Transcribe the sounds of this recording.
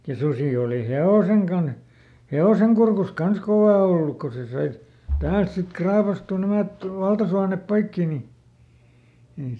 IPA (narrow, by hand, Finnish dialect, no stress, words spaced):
jɑ susiˑ oˑli heoˑseŋ kɑnh heoseŋ kurkus kɑns koʋɑˑ olːuk ko se sɑi tæːlt sik krɑːpɑstuˑ næmæt ʋɑltɑsuɑnep poikːi ni ei